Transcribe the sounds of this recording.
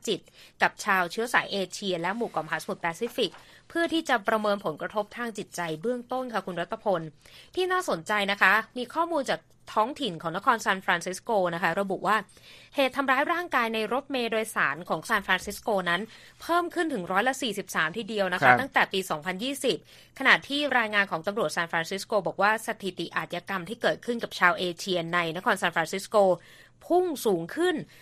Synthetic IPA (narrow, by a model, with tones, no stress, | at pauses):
t͡ɕi˨˩t̪̚ka˨˩p̚t͡ɕʰaː˧wt͡ɕʰɯ˦˥ɐsaː˩˦jʔeː˧t͡ɕʰi˧ɐlɛ˦˥muː˨˩kaː˨˩mʰaː˨˩˥sa˧mu˨˩pɛː˧siː˦˥fi˨˩k̚ | pʰɯ˥˩ɐt̪ʰiː˥˩t͡ɕa˨˩pɾa˧mɤː˧npʰo˩˦nkɾa˧t̪ʰo˦˥p̚t̪ʰaː˧ŋt͡ɕi˨˩t̪̚t͡ɕa˧jbɯ˥˩əŋt̪o˥˩nkʰa˥˩kʰu˧nɾa˦˥t̪ʰːa˧pʰo˧nt̪ʰiː˥˩naː˥˩so˨˩˦nt͡ɕa˧jna˦˥kʰa˦˥miː˧kʰɔː˥˩muː˧nt͡ɕaː˨˩k̚ | t̪ʰɔː˦˥ŋt̪ʰi˨˩nkʰɔː˩˦ŋna˦˥kʰɔː˧nsaː˧nfɾaː˧nsi˦˥skoː˧na˦˥kʰa˦˥ɾa˧bu˨˩ʔwaː˥˩heː˨˩t̪ʰːa˧mɾaː˦˥jɾaː˥˩ŋkaː˧jna˧jɾo˦˥t̪̚meː˧doː˧jsaː˩˦nkʰɔː˩˦ŋsaː˧nfɾaː˧nsi˦˥skoː˧na˦˥n | pʰɤː˥˩mkʰɯ˥˩nt̪ʰɯ˩˦ŋɾɔː˦˥jla˧˥siː˨˩si˨˩p̚saː˩˦mt̪ʰiː˥˩di˧əwna˦˥kʰa˦˥t̪a˥˩ŋt̪ɛː˨˩piː˧sɔː˩˦ŋpʰa˧njiː˥˩si˨˩p̚ | kʰa˧na˨˩ʔt̪ʰiː˥˩ɾaː˧jŋaː˧nkʰɔː˩˦ŋt̪a˧mɾu˨˩ət̪̚saː˧nfɾaː˧nsi˦˥skoː˧bɔː˨˩k̚waː˥˩sa˧t̪ʰi˨˩t̪i˨˩ʔaː˨˩t̪̚jaː˧ka˧mt̪ʰiː˥˩kɤː˨˩t̪̚kʰɯ˥˩nka˨˩p̚t͡ɕʰaː˧wʔeː˧t͡ɕʰi˧əna˧jna˦˥kʰɔː˧nsaː˧nfɾaː˧nsi˦˥skoː˧ | pʰu˥˩ŋsuː˩˦ŋkʰɯ˥˩n